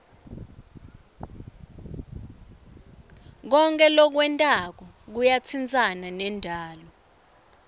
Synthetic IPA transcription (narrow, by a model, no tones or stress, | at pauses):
k̬ɔŋkʼɛlɔk̬wɛntʼak̬ɔ | k̬ujat͡sʰint͡sʼananɛndʱaːlɔ